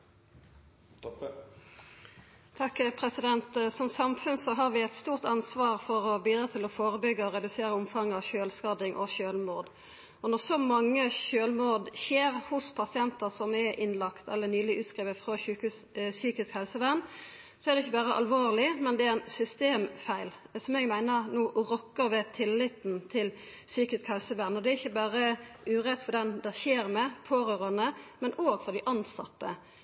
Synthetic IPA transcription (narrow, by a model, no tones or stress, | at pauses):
t̪ʰɑkːpʰʁɛsɪd̪ɛnt̪sɔmsɑmfʉnsɔɦɑːʁʋɪɛɪt̪st̪uːʁt̪ɑnsʋɑːʁfɔʁɔbiːd̪ʁɑːt̪ʰɪlɔfoːʁəbʏɡːəɔʁɛd̪ʉseːʁəʊmfɑŋːɑʋʃøːlskɑd̪ɪŋʔɔ̰ʃøːlmoːd̪ | ɔnɔʁsɔmɑŋːəçøːlmoːd̪çeːɾhʊspʰɑsɪɛnt̪əsɔmɛʔɪnlɑkt̪ɛ̰lːənyːlɪʔʉːt̪skʁiːʋət̪fʁo | syːkɪskhɛlsəʋæʁn | sɔɛd̪ɛɪçːəbæːʁəʔɑ̰lʋoːʁlɪmɛnd̪ɛææɪnsʏst̪eːmfæɪlsɔmɛɡmæɪnənuːʔɾɔkːəʋɛt̪ʰɪlːɪt̪nt̪ʰɪlsyːkɪskhɛlsəʋæːʁnɔd̪ɛɪçːəbæːɾəʉːʁɛt̪ːfɔd̪ɛnd̪æçeːɾmɛpʰoːɾøːɾɑnəmɛnoːɡfɔd̪ɪʔɑnsɑ̰t̪ːə̰